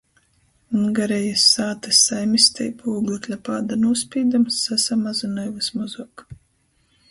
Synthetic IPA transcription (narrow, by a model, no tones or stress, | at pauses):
nɡaɾɛjasːaːt̪ɨsːajmist̪ɛ̰jpʰuːɡlʲˠɨklʲapaːd̪anuɔspʲiːd̪amsːasamazunɔjvɨsmɔzɔk